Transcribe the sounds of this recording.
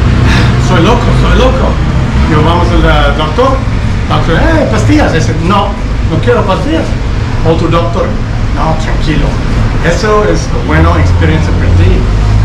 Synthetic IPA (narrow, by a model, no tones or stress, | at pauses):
asojlokosojloko | joβamosalad̪ok̚t̪oɾ | bamoseejpast̪iasasino | nokjeɾopast̪ias | ot̪ud̪ok̚t̪oɾ | not̪ɾãŋkilo̰ | esoesəbwenoekspeɾiẽnsjapaɾat̪i